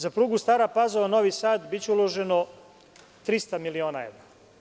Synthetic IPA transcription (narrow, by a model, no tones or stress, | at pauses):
zapɾuːɡust̪aːɾapazoʋano̞ʋisaːt̪bit͡ɕeulo̞ʒe̞no | t̪ɾist̪amilio̞ːnaeʋɾa